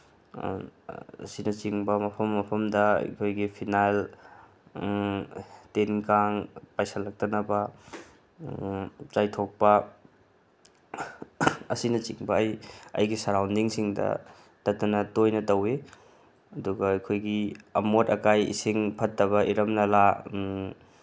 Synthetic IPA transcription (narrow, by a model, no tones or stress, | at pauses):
sinɐt͡ʃiŋbɐmɐpʰɐmːɐpʰɐmdɐɐ̰jkʰojɡipʰinajl | tenkaŋpajsalɐk̚tɐnɐbɐ | t͡ʃajtʰok̚pɐ | ɐsinɐt͡ʃiŋbɐɐjɐ̰jɡisɐɾawndiŋsiŋdɐ̰ | tɐtːɐnɐtojnɐtɐwe | ɐduɡɐɐjkʰojɡiɐmotɐkajḭsiŋpʰɐtːɐβɐʔiɾɐmnɐla